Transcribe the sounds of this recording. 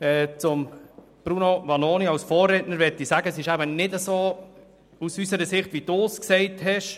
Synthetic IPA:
ɛːt͡sʊm | b̥ɾunoʋɑnoːniɑwsfɔːrɛtnəɾʋɛtːisæɡəsɪʃæbənɪdəsoː | usysəɾəsɪχtʋid̥usksɛɪthɛʃ

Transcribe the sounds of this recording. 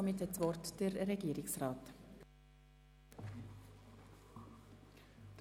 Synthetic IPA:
ɔmɪthɛtsʋɔɾtd̥əɾːɛɡiːəɾɪksrɑːt | d̥

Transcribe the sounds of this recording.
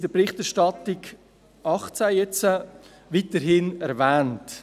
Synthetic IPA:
dəpɾɪχtɛɾʃtɑtɪɡ | ɑχt͡sæjɛt͡sə | ʋitəɾɦɪnɛɾvɛːnt

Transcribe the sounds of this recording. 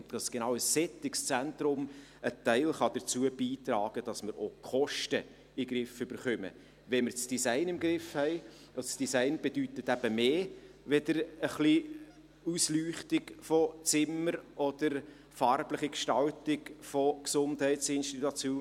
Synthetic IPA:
ɑsɡ̥enɑʊəsːɛtːɪkst͡sæntɾʊm | ətæɪlχɑd̥əɾt͡suəbiːt̪ɾɑːɡ̥əd̥ɑsməɾokχɔʃtə | iɡɾɪfʏb̥əɾχœmə̰ | ʋɛməɾt͡sd̥isæɪnɪmɡɾɪfhɛɪ | osd̥isæɪnb̥ed̥ytətæb̥əmeːʋɛdəɾəχli | uslyːχtɪɡfɔt͡sɪməɾʔɔd̥əɾ | fɑrbləχikʃtɑltɪɡfɔksʊnthɛɪtsɪnʃtit̪ut͡sjoː

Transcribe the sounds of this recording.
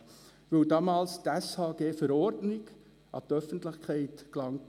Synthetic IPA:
vəwdɑːmɑːlst̪æshɑːɡeːfəɾɔɾdnɪɡ | ʔɑ̰t̪œfən̩tlɪχkχɛɪtklɑŋ

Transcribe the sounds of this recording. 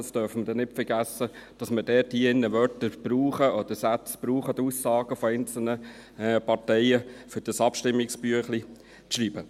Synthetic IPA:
stœɾfmədɛnɪtfəɾɡæsːəd̥ɑsmədɛthiːɪnːəʋœɾtəɾb̥ɾuːχəɔd̥̪əsæt͡sb̥ɾuːχəd̪usːɑːɡəfɔɛɪnt͡sl̩nə | pɑɾtɛɪəfʏɾd̥əsɑpʃtɪmːɪksb̥yəχli | ʃɾiːbə

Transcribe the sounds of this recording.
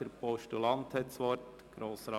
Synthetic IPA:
əɾpɔʃtulɑnt̪hɛtsʋɔɾt | ɡ̥ɾoːsɾɑ

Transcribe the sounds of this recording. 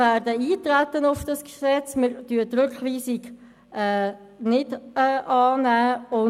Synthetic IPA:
æːɾdəiːtɾætːənʊfd̥ɑsksɛt͡smɪɾtyətɾʏkχʋiːsiɡ | ɛː | nɪd̥ɛːʔɑːnæːʊ

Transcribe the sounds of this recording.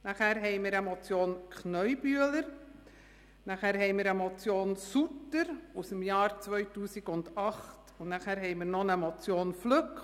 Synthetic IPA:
næχæːɾɦɛɪjmiːɾəmɔt͡sjoːnkʰχnœʏbyələɾ | næχæːɾɦɛɪmiːɾəmɔt͡sjoːnsutəɾusəmjɑːɾt͡sʋœʏtuːsiɡʊndɑχtʊnnæχæːɾɦɛɪmiːɾnɔnəmɔt͡sjoːnflɵk

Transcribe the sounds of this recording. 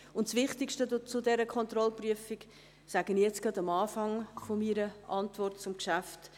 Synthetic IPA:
ʊntsʋɪχtɪkʃtət͡sʊdɛɾəkʰɔnt̪ɾɔlpryəfiɡ | saɡ̥ənijɛt͡sɡ̥ɾɑdɑmɑːfɑŋfomiɾəʔɑntvɔrtt͡sʊmkʃæft

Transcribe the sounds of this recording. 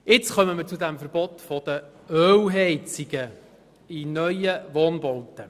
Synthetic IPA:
ʔɪt͡skœməməɾt͡sud̪æmfəɾb̥ɔtfɔd̥̪ə | øːwɦɛɪt͡siɡ̥ə | inœʏəʋoːnbɔlt̪ə

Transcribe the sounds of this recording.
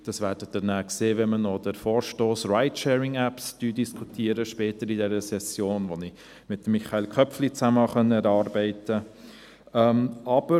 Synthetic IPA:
d̥ɑsʋæːɾdədənæːkseːʋɛnmənɔdəɾfoːɾʃtoːsraɪtʃɛːɾɪŋæpsd̥yːdiskʰutʰiəɾəʃpɛːtəɾidɛɾəsɛsjoːnʋoni | mɪtːəmːiχɑelkʰœpflit͡sæməɑχœnːəɛɾɑːɾbɛɪtə | ɛmɑb̥ə

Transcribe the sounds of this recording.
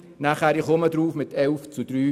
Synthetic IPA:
naχæːɾɪχʊmədɾuːfmɪt̪ʰɛlft͡sud̥ɾyː

